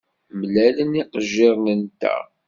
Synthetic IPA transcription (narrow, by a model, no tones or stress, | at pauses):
mlæləniqəʒːɪɾˤnənt̪æ̰